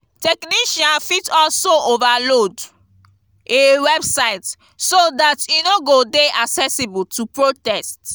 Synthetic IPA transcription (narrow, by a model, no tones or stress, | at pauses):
tɛkniʃãnfitɔlsoovalod | ʔewɛbsaɪt | sodatinoɡodeʔaksɛsibultʰupɹotɛst